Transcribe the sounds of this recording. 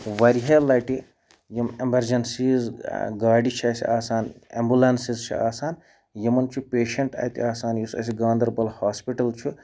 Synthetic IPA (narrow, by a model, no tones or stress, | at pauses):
ʋɐɾiɦelɐjʈi | jɐmemɐɾd͡ʒɐnsizɡaːɖit͡ʃʰiɐsiʔaːsaːnḛmbulɐnsizt͡ʃʰḭaːsaːn | jɐmɐnt͡ʃʰupeːʃɐɳʈɐ̰t̪iaːsaːnjisɐ̰s̬iɡãːnd̪ɐɾbɐlhaːspiʈɐlt͡ʃʰu